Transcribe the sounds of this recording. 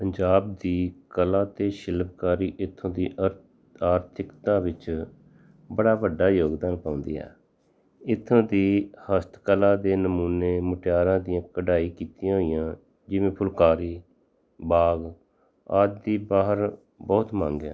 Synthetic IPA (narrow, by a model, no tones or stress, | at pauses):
pəɲd͡ʒaːb̚d̪iːkəlãːt̪eːʃɪlp̚kaːɾiːʔɪt̪ʰːõːd̪iː | aːɾt̪ʰɪkt̪ãːʋɪt͡ʃ | bəɽaːʋəɖːaːjoːɡd̪aːnpãːʊ̃ːnd̪ḭːɛ̰ː | ɪt̪ʰːõːd̪iːhəst̪kəlaːd̪eːnəmuːneːməʈjaːɾãːd̪ɪjãːkəɖaːiːkiːt̪ɪjãːɦoːijãː | d͡ʒɪʋẽːpʰʊlkaːɾiː | baːɡ | aːd͡ʒd̪iːbaːɦəɾ | bɔːt̪mãːŋɡɛ̰ː